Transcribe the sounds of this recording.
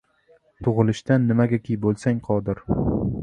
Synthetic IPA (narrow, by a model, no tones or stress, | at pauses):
t̪ʰʊʁɨlɪʃt̪anːɪmaɡʲakʲijbolˠsaŋqʰɒd̪ɪɾ